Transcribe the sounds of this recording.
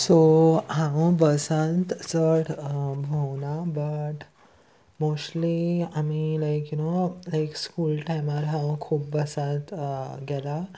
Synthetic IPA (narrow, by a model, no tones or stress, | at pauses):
soɦãwbəsãnt̪t͡səɽbʱownabəʈ | mosʈliamilajkjunolajkskuːlʈajmaɾɦãwkʰuːp̚bəsãt̪ɡɛla